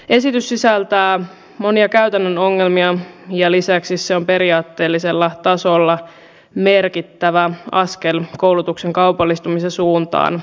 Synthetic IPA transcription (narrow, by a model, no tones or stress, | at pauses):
e̞sit̪ysːisælt̪æː | mo̞niɑkæyɥt̪ænːəno̞ŋːe̞lmiɑjɑlisæksisseo̞mpe̞ɾiɑːt̪ːe̞ːlːise̞lːɑt̪ɑso̞lːɑ | me̞rkit̪ːæʋæɑskelko̞wlut̪ukse̞ŋkɑupɑlːist̪umisesuːnt̪ɑ̰ːn